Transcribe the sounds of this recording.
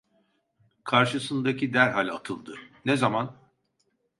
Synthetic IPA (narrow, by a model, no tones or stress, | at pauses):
kʰaɾʃɯsɯnd̪acʰid̪æɾɦalʲat̪ʰɯlˠd̪ɯnɛzaman